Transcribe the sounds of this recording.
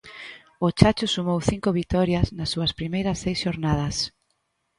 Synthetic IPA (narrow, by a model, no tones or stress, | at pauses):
ʊt͡ʃat͡ʃʊsumowθiŋkʊβit̪ɔɾjɐsnɐsːuɐspɾimejɾɐsːejsʃoɾnað̞ɐs